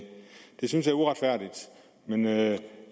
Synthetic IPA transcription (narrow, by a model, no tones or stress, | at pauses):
d̥e̝syns̬jɑ̈æɐuʁad̥fæɐ̰d̥id̥ | menø